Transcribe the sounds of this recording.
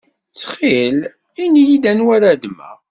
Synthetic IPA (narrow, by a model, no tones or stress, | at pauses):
t͡sːχel | inijid̪ænwæɾad̪mæ̰